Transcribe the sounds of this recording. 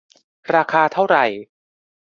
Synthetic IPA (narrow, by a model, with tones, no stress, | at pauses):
ɾaː˧kʰaː˧t̪ʰa˥˩wɾa˨˩j